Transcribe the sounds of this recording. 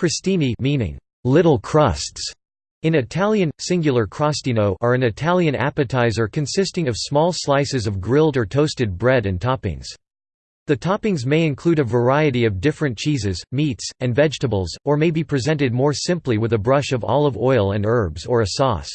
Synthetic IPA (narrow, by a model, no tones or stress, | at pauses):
kʰɹ̥ɨstĩnimĩnɪ̰̃ŋ | lɪɾl̩ˠkʰɹ̥ʌsts | ɨ̃nɨtʰælˠjɨ̃nsɪ̃ŋɡjl̩ˠə˞kʰɹ̥ɑstinoʊʔə˞ɨ̃nɨtʰælˠjɨ̃næ̰pɨtʰaɪzə˞kʰɨ̃nsɪstɪ̃ŋʌv̥smɔlˠslaɪsɨzʌvɡɹɪlˠdə˞tʰoʊstɨd̚bɹɛɾɨ̃ntʰɑpɪ̰̃ŋz̥ | ðɨtʰɑpɪ̃ŋzmeɪɨ̃nkʰl̥uɾɨvə˞aɪɨɾiʌvdɪfɹɨ̃nt͡ʃʰizɨzmitsɨ̃nvɛd͡ʒtəbl̩ˠzə˞meɪbipʰɹ̥ɨzɛ̃ntɨd̚mɔɹsɪ̃mpliwɨðɨbɹʌʃʌvɔ̰lˠʌvɔɪlˠɨ̃nɜ˞bzə˞ɨsɔ̰s